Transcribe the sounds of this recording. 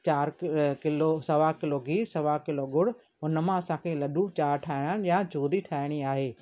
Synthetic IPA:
t͡ɕaːɾkɪlosɐʋakɪloɡiːsɐʋakɪloɡʊɽ | ʊnə̆mãɐsãːkʰelɐɗũt͡ɕaːɾʈʰaːɪɽ̃añjad͡ʑuːd̪iʈʰaːɪɽ̃iaːɦeː

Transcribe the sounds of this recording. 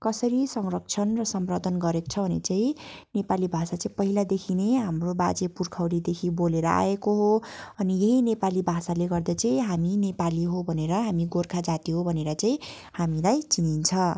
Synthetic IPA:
kʌsʌɾisʌŋrʌk̚t͡sʰʌnrʌsʌmrod̪ʱʌnɡʌɾekt͡sʰʌbʱʌnḛt͡saĩnepalibʱasat͡saĩpʌɦilad̪ekʰineɦamrobad͡zepurkʰawɾid̪ekʰiboleɾʌ̰ʔa̰ekoɦoʌnijeɦinepalibʱasaleɡʌrd̪ʌt͡saĩɦaminepaliɦobʱʌneɾʌɦamiɡorkʰad͡zat̪iɦobʱʌneɾʌt͡sãĩ | hamilajt͡sinint͡sʰʌ

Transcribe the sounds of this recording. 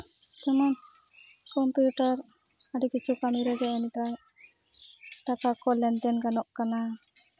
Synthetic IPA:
t͡ʃɛman | kɔmpjuʈaɾ | aɖikit͡ʃʰukaniɾɛɡɛɛnit̪a | ʈakakɔlɛnd̪ɛnɡanɔʔkana

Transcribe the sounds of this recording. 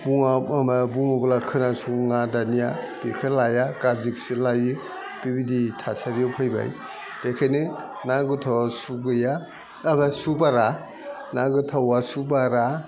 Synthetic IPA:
buŋaamabuŋɔbalakʰɯnasuŋŋadanijad̥ekʰalajakaɾziksilajɯ | b̥ibiditʰasaɾijɔpʰɯjba̰j | d̥ekʰanɯ | naɡɯtʰawasuɡɯjaː | basubaɾa | naɡɯtʰawasubaɾa

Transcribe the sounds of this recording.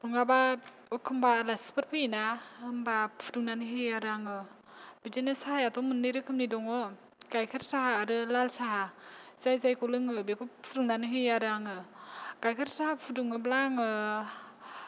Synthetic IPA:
ɾuŋaba | ɯkʰɯmbalaspɯɾpʰɯinahɯmbapʰuduŋnanɯɦɯjaɾaŋɯ | bidinɯsahajatɔmɯnːɯjɾɯkʰɯmnidɔŋɯ | kajkʰɯɾsahaːɾɯlalsaɦazajzajkɔlɯŋɯbekupʰuɾɯŋnanɯɦɯjaɾɯaŋɯkajkʰɯɾsahapʰuduŋɯblaŋɯ

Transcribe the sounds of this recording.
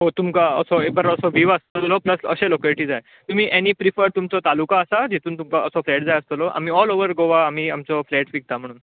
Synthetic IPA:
ɦot̪umkaə̰sɔebəɾəsɔʋiʋəst̪əlɔpləsə̰ɕelokəliʈiːd͡zaj | t̪um̤iːʔeniːpɾifəɾt̪umt͡sɔt̪alukaːsad͡ʑit̪uːnt̪umkaʔəsɔflɛʈ̚d͡zajəst̪əlɔʔa̰m̤iːɔloʋəɾɡoʋaːmiːamt͡sɔflɛʈfik̚t̪am̤əɽ̃ːn

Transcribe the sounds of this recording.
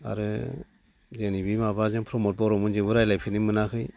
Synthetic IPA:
a̰ɾɯ | zenibimaβazɯŋpʰɾɔmɔt̚bɔɾɔmɯnzɯbɯɾajlajpʰinimɯnakʰɯj

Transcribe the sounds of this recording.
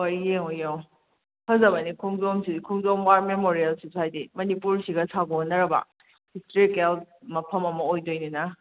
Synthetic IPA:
ojeŋojew | hʰɐzɐbɐnikʰuŋzomsikʰuŋzomwaɾmemoɾielsosajdimɐnipuɾsiɡɐsʰaɡonːɐɾɐbɐ̰ | histɾikelt̚mɐpʰɐmɐmɐojdojninɐ

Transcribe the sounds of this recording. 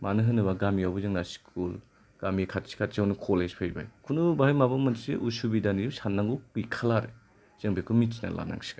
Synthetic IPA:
manɯɦɯnɯβaɡamiawbuzɯŋnaskʰul | ɡ̥amikʰat̚si̥kʰat̚t͡ʃiawnukʰoled͡ʒpʰejba̰jkʰunubahajmabamɯnseʔusubidanisanːaŋɡukikʰalaɾe | z̥ɯŋbikʰumitt͡ʃina̰lʔa̰na̰ŋsi̥ɡa

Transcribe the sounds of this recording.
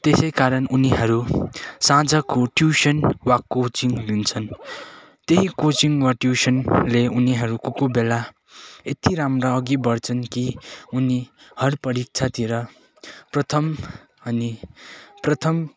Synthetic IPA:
t̪esʌjkaɾʌnuniɦʌɾusãd͡zʌkoʈjusʌnwakot͡siŋɡlint͡sʰʌn | t̪eɦikot͡siŋɡwaʈjusʌnleuniɦʌɾukokobela | et̪iɾamraːɡibʌrt͡sʰʌnkiunihʌɾpʌɾik̚t͡sʰat̪iɾʌ | prʌt̪ʰʌm | ʌniprʌt̪ʰʌm

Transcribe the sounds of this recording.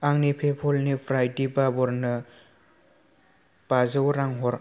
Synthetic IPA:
aŋnipʰepʰɔlnipʰɾajdibabɔɾnɯ | b̥azɯwɾaŋɦɔɾ

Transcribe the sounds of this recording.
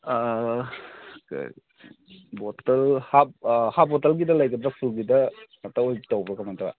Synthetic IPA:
k | bɔtɐlhap̚hab̚ɔtɐlɡidɐlɐjkədɾapʰulɡidɐ | ɐtaojtawbɾɔkamatɐ̰

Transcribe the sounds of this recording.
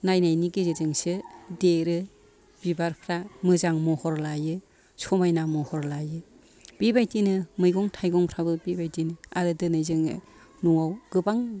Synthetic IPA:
najnajniɡizɯzɯŋsɯdeɾɯ | b̥ibaɾpʰɾamɯzaŋmɔhɔɾlajɯ | sɔmajnamɔhɔɾlajɯ | b̥ibajtinɯmɯjɡɔŋtʰajɡɔŋpʰɾabɯbibajtinɯa̰ɾɯdɯnɯjzɯŋɯ̰ | nuŋawɡ̥ɯbaŋ

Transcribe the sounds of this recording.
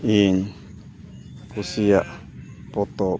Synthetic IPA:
iɲ | kusiaʔ | pot̪o

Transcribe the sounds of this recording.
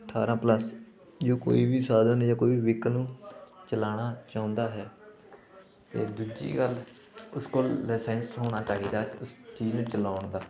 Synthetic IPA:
əʈʰːaːɾãːpləs | d͡ʒoːko̰ːiːbiːsaːd̪ənjãːkoːiʋiːʋɪknũːt͡ʃəlaːɽ̃aːt͡ʃãːʊ̃nd̪aːɦɛː | t̪ḛːd̪ud͡ʒḭːɡəl | ʊskoːlːɛːsɛ̃ːnsɦoːɽ̃aːt͡ʃaːɦiːd̪aːʊst͡ʃiːznũːt͡ʃəlaːʊɳd̪aː

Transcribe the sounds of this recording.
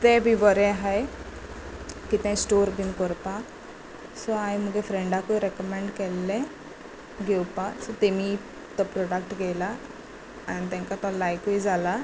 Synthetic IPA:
t̪ɛ̃bʱĩbəɾɛ̃ɦaj | kit̪ɛ̃jsʈoɾbinkɔɾpã | sɔajm̤uɡɛfɾẽɳɖakuɾɛkəmɛ̃ɳɖkɛlːɛ̃ | ɡewpasɔt̪emi | t̪ɔpɾɔɽakʈɡɛla | anit̪̬ɛ̃ŋkat̪ɔlajkujd͡zʱala

